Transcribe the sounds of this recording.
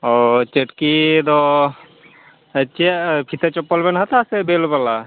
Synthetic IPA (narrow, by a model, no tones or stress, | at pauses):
ɔt͡ʃeʈkid̪ɔ | t͡ʃepʰit̪et͡ʃɔpːəlbenɦət̪asebelbala